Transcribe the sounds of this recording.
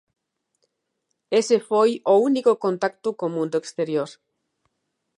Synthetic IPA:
esefojounikʊkõnt̪ak̚t̪ʊkõmũnd̪ʊekst̪eɾjoɾ

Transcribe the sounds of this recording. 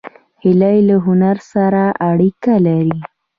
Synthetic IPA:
hɪlajlaɦʊnaɾsaɾaʔaɽikalaɾi

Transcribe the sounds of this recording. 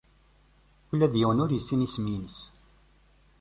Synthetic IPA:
çəlːæðjəwənʊɾjəsːinisminəs

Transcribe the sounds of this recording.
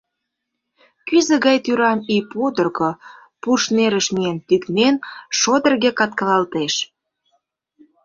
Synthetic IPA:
kyzə̆ɣɑjt̪yɾɑmipud̪ə̆rko | puʃneɾəʃmient̪yknenʃod̪ə̆rɣekɑt̪̚kəlɑlt̪eʃ

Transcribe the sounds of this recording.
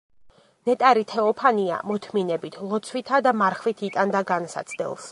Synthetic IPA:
nɛt̪ʼaɾit̪ʰɛɔpʰania̰mɔt̪ʰminɛbit̪ʰlˠɔt̪sʰwit̪ʰad̪amaɾχvit̪ʰit̪ʼand̪aɡansa̰t̪sʰd̪ɛ̰lˠs

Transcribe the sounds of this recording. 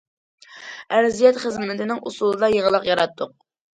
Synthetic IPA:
æɾzijɛt̪χəzmɪt̪ʰɪnɪŋʔṵsulˠɨd̪ɑjəʁəlˠəqjɑɾɑt̪ːʊq̚

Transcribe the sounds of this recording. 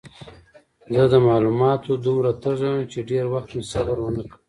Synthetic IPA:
zəd̪əmɑːlumɑt̪od̪umɾat̪əʒəwəmt͡ʃeɖeɾwaxt̪mesabaɾwənəkəm

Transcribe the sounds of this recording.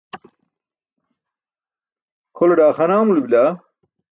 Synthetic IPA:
kʰoleɖaːxɐnaːmulubila

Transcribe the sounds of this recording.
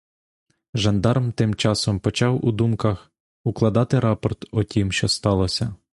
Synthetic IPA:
ʒɐnd̪ɑrmt̪ɪmt͡ʃɑsɔmpɔt͡ʃɑwud̪umkɐx | uklˠɐd̪ɑt̪ɪɾɑpɔrt̪ɔtʲimʃt͡ʃɔst̪ɑlˠɔsʲɐ

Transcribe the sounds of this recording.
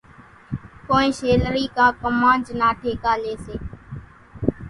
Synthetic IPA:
koːĩːʃeːləɾiːkaːkəmaːnd͡ʒnaːʈʰeːkaːleːseː

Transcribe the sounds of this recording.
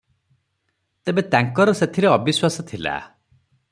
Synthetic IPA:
t̪ebet̪aŋkɔɾɔset̪ʰiɾeɔbiswasɔt̪ʰila̰

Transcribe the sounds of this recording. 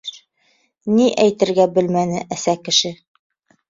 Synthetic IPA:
niʔæjt̪ɘ̆ɾɡæbɘ̆lmænɘʔæsækɘ̆ʃɘ

